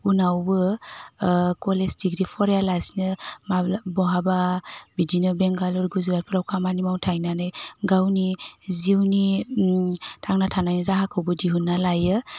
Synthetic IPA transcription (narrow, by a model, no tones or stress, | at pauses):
unawbɯ | kɔlezdiɡɾipʰɔɾalasnɯmabɔɦababidinɯbɛŋɡalɔɾɡuzɾaɾ̚pʰɯɾawkʰamanimawtʰajnanɯjɡawniziwni | tʰaŋnatʰanajniɾaɦakʰɯwbɯdiɦunːalajɯ